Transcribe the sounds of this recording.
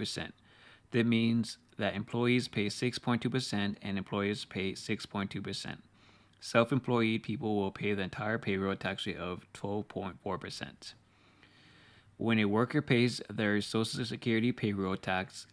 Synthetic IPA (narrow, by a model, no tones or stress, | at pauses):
pə˞sɛ̰̃n | ðɨt̚mĩnz | ðɨɾɨ̃mpʰl̥ɔɪiz̥pʰeɪsɪkspʰɔ̃ɪ̃ntʰʉpə˞sɛ̃ntɨ̃nɨ̃mpʰl̥ɔɪə˞z̥pʰeɪsɪkspʰɔ̃ɪ̃ntʰʉpʰə˞sɛ̰̃nt̚ | sɛlˠfɨ̃mpʰl̥ɔɪid̚pʰipl̩ˠwɪlˠpʰeɪðiɨ̃ntʰaɪə˞pʰeɪɹoʊtʰæksiʔʌv̥tʰw̥ɛlˠv̥pʰɔ̃ɪ̃ntfɔɹpʰə˞sɛ̰̃nt | wʔə̃ñɨwɜ˞kə˞pʰeɪzðə˞soʊʃl̩ˠsɨkʰj̥ʊɹɨɾipʰeɪɹod̚tʰæks